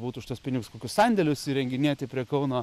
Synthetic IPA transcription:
buːt̪ʊːʃʲt̪oɔspʲɪnʲɪɡʊskoːkʲʊssɐnʲd̪ʲɛlʲʊsɪɾʲɛŋʲɡʲɪnʲeɛt̪ʲɪpʲɾʲiɛkɐʊnoː

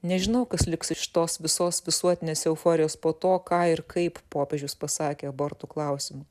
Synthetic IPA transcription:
nʲɛʒʲɪnɐʊkɐslʲɪksɪʃt̪oːsʋʲɪsoːsʋʲɪsuɔt̪ʲɪnʲeːsɛʊfoːɾʲɪjoːspoːt̪oːkɑːɪɾkɐɪppoːpʲeːʒʲʊspɐsɑːkʲeːɐboːɾt̪uːklˠɐʊsʲɪmʊ

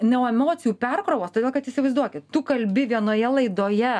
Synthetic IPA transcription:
nʲɛoɛmoːt̪sʲɪjuːpʲɛrkɾoʋoːst̪oːd̪ʲeːlˠkɐt̪ɪsʲɪʋɐɪzd̪uɔkʲɪtt̪ukɐlʲbʲɪʋʲiɛnoːjɛlˠɐɪd̪oːjɛ

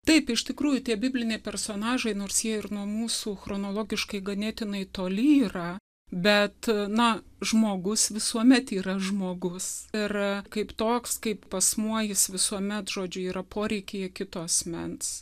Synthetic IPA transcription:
t̪ɐɪpɪʃt̪ʲɪkɾuːjʊt̪ʲiɛbʲɪbʲlʲɪnʲeɛɪpʲɛrsoːnɑːʒɐɪnoːrsjiɛɪrnuɔmuːsuːxronoːlˠoːɡʲɪʃkɐɪɡɐnʲeːt̪ʲɪnɐɪt̪oːlʲɪiːrɐ | bʲɛt̪nɐʒmoːɡʊsʋʲɪsuɔmʲɛt̪iːɾɐʒmoːɡʊsɪrkɐɪpt̪oːkskɐɪppɐsmuɔjɪsʋʲɪsuɔmʲɛt̪ʒ̥oːd͡ʒʲʊiːɾɐpʰoːɾʲɛɪkʲːjɛkʲɪt̪oːɐsʲmʲɛ̰ns

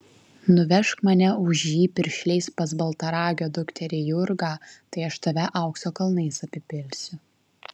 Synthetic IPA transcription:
nʊʋʲɛʃkmɐnʲɛʊʒʲjiːpʲɪɾʲʃʲlʲɛɪspɐsbɐlˠt̪ɐɾɑːɡʲoːd̪ʊkt̪ʲɛɾʲejʊɾɡɑːt̪ɐɪɐʃt̪ɐʋʲɛʔɐˑʊksoːkɐlˠnɐɪsɐpʲɪpʲɪlʲsʲʊ

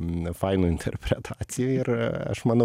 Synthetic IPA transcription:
fɐɪnuːɪnʲt̪ʰʲɛ̰ɾʲpʲɾʲɛt̪ʰɑːt̪sʲɪjuːɪɾɐ̰ʃmɐnɐ

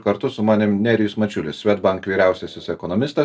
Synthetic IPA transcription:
kɐɾt̪ʊsʊmɑːnʲɪmnʲɛːɾʲɪjʊsmɐt͡ʃʲʊlʲɪssʲʋʲɛt̪bɐŋkʋʲiːɾʲæˑʊsʲɛsʲɪsɛkɔnɔmʲɪst̪ɐ

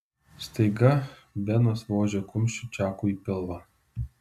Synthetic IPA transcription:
st̪ɐɪɡɐʋʲɛnɐsʋoːʒʲɛkʊmʲʃʲt͡ʃʲʊt͡ʃʲæːkuːiːpʲɪlˠʋɐ

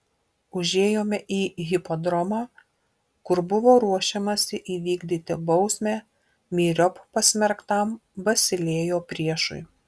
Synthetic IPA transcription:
ʊʒʲeːjoːmʲɛʔiːɣʲɪpod̪ɾɔmɑː | kʊɾbʊʋoːɾuɔʃʲɛmɐsʲɪʔiːʋʲiːɡd̪ʲiːt̪ʲɪbɔʊsʲmʲæː | mʲiːɾʲɔppɐsʲmʲɛɾkt̪ɐˑmbɐsʲɪlʲeːjoːpʲɾʲiɛʃʊ̰ɪ

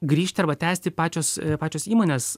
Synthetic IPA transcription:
ɡɾʲiːʃʲt̪ʲɪɐɾbɐt̪ʲæːsʲt̪ʲɪpɑːt͡ʃʲoːspɑːt͡ʃʲoːsiːmoːnʲeːs

